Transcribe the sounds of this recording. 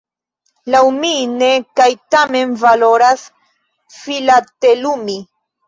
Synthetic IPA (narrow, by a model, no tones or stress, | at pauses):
lawminekajt̪ame̞nvalo̞ɾas | filat̪elumi